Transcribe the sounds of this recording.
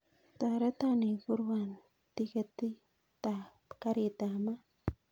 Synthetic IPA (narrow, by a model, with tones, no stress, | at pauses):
t̪a˨ɾe˦t̪a˦ni˨ku˦ɾwan | t̪i˦ke˧t̪i˦ | t̪a | ka˦ɾi˨t̪a˨ma˦